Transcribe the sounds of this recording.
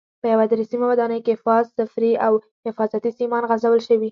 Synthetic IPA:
pəjawad̪ɾisimawad̪ɑnəjkefɑzafɾiaw | hɪfɑzat̪isimɑnɣazawəlʃəwi

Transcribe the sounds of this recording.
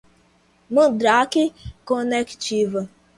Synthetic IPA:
mʊdɾakɪkɔnekt͡ʃivʊ

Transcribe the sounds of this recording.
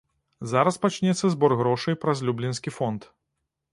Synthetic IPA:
zaɾɐspat͡ʃnʲɛt̪sːɐzbɔrɣɾɔʂɨjpɾɐzʲlʲublʲinsʲkʲifɔnt̪

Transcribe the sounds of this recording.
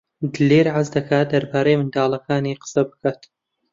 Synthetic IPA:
d̪ɨliːɾʕazd̪ɐkʰaːt̪̚d̪ɐɾbaːɾejmɨnd̪aːlˠɐkaːniːqə̥sɐbɨ̥kaːt̪

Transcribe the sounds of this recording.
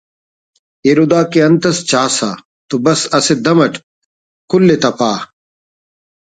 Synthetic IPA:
eɾud̪aːkeɐnt̪ɐst͡ɕaːsaː | t̪ubɐsɐsed̪ɐmɐʈ | kulːet̪ɐpaː

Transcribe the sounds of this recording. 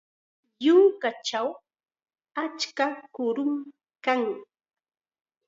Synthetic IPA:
jʊŋkat͡ʃaw | at͡ʃkakʊɾʊm | kaŋ

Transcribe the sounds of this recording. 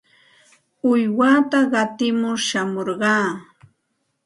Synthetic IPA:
ʊjwat̪aɢɑt̪ɪmʊɾʃamoɾɢɑː

